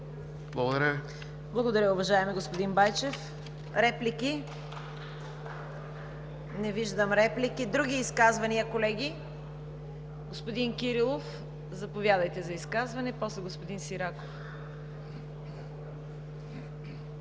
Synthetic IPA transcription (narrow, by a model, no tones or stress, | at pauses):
blˠɐɡod̪ɐɾɐv | blˠɐɡod̪ɐɾʲəʊvɐʒaɛmɛɡospod̪inbajt͡ʃɛf | ɾɛpliki | nɛviʒd̪əmɾɛplikid̪ɾuɡ̟ʲiːskazvɐniəkolɛɡʲi | ɡospod̪inkiɾilˠof | zɐpovjad̪əjt̪ɛzɐiskazvɐnɛpɔslɛɡospod̪insiɾako̥f